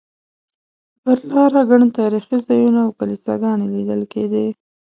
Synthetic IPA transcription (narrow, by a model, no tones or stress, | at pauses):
bəɾlɑɾaɡaɳt̪ɑɾixizɑjunaːwkalisa̰ɡɑnelid̪əlked̪e